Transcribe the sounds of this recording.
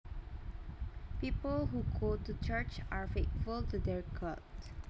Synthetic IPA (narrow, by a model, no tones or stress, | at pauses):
pipəlɦuɡotut͡ʃət͡ʃaɹfetfultudɛɹkʰɔ̰t